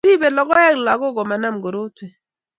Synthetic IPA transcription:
i˦be˨lɔ˨ɡɔ˦ja˦ɡla˨ɡɔ˦ɡɔ˨ma˨na˦mɡo˨ɾo˦te˨

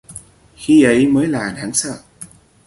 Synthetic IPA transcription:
xi˧ʔə˨˦jməː˨˦jlaː˨˩ɗaː˨˦ŋsə̰˧˨

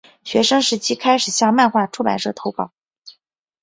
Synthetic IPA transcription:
ɕɥɛ˧˥ʂɤ˥ŋʂɻ̩˧˥t͡ɕʰi˥kʰa˥ɪʂɻ̩˨˩ɕjɑ˥˧ŋma˥˧nxwa˥˧˩ʈ͡ʂʰu˥pa̰˨˩nʂɤ˥˩t̪ʰo˧˥pɑ˨˩˦

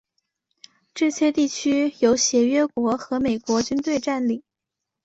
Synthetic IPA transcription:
ʈ͡ʂɤ˥˩t͡ɕʰjɛ˥t̪i˥˩t͡ɕʰy˥jo˧˥ʊɕjɛ˧˥ɥɛ˥kwɔ˧˥xɤ˧˥me˨˩ɪkwɔ˧˥t͡ɕy˥nt̪we˥˧ɪʈ͡ʂa˥˧nli˨˩˦

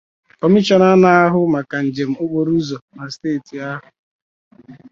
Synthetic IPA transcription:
ɔ˨mi˦t͡ʃɔ˦na˦na˦a˦ɦʊ˦ma˨ka˨n̩˨d͡ʒe˨m̩˦ʊ˦k͡po˦ɾu˦zɔ˨na˨steː˦˨ti˨a˦ɦʊ˨

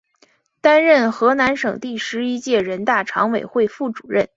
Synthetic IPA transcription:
t̪a˥nɻə˥˩nxɤ˧˥na˧˥nʂɤ˨˩ŋt̪i˥˩ʂɻ̩˧˥i˥t͡ɕjɛ˥˩ɻə˧˥nt̪a˥˩ʈ͡ʂʰɑ̰˧˥ŋwe˨˩ɪxwe˥˧ɪfu˥˩ʈ͡ʂu̥˨˩ɻə˥˩n

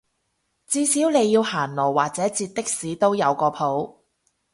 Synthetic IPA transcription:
t͡siː˧siː˨˥wne˨˧jːiː˧whaː˨˩nlɔː˨˩wwaː˨˩k̚t͡sɛː˨˥t͡siː˧t̪̚t̪ːɪ˥k̚siː˨˥t̪o˥wjɐ˨˧wkɔː˧pʰo˨˥w

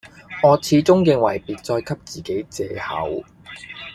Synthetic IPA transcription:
ŋɔː˨˧t͡sʰiː˨˥t͡sʊ˥ŋjɪ˨˧ŋwɐ˨˩jpiː˨t̚t͡sɔː˧jkʰɐ˥p̚t͡siː˨ke˨˥jt͡sɛː˧hɐ̰˨˥w

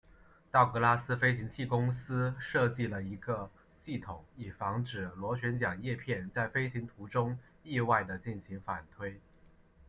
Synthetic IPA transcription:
t̪ɑ˥˩ʊkɤ˧˥la˥sɹ̩˥fe˥ɪɕi˧˥ŋt͡ɕʰi˥˩kʊ˥ŋsɹ̩˥ʂɤ˥˧t͡ɕi˥˩lə˩i˧˥ɡə˧ | ɕi˥˩t̪ʰʊ˨˩˦ŋi˨˩fɑ˧˥ŋʈ͡ʂɻ̩˨˩lwɔ˧˥ɕɥɛ˧˥nt͡ɕjɑ˨˩ŋjɛ˥˧pʰjɛ˥˧nt͡sa˥˩ɪfe˥ɪɕi˧˥ŋt̪ʰu˧˥ʈ͡ʂʊ˥ŋ | i˥˧wa˥˩ɪd̪ə˩t͡ɕi˥˩nɕi˧˥ŋfa˨˩nt̪ʰwe˥ɪ

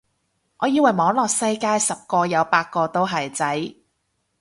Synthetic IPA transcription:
ŋɔː˨˧jiː˨˧wɐ˨jmɔː˨˧˥ŋlɔː˨k̚sɐ˥jkaː˥jsɐ˨p̚kɔː˧jɐ˨˧wpaː˧t̚kɔː˧t̪o˥wɦɐ˨˩jt͡sɐ˨˥j

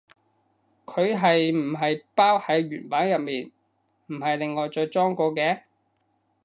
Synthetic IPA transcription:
kʰɵ˨˧ɥɦɐ˨jm̩˨˩ɦɐ˨jpaː˥whɐ˨˥jɥyː˨˩npaː˨˥njɐ˨p̚miː˨n | m̩˨˩ɦɐ˨jlɪ˨ŋːɔː˨jt͡sɔː˧jt͡sɔː˥ŋkɔː˧kɛː˧

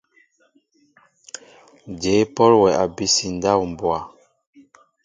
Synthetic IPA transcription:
d͡ʒe˨˦pɔ˦lwɛ˨a˨bi˦si˨n˦da˦˨wm̩˨bwa˨

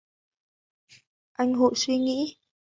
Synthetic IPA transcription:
ʔa˧jŋ̟ɦo̰˧˨swi˧ŋḭ˧˥

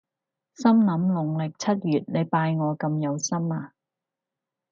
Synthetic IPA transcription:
sɐ˥mnɐ˨˥mlʊ˨˩ŋlɪ˨k̚t͡sʰɐ˥t̚jyː˨˩t̚ne˨˧jpaː˧jŋɔː˨˧kɐ˧mjɐ˨˧wsɐ˥maː˧

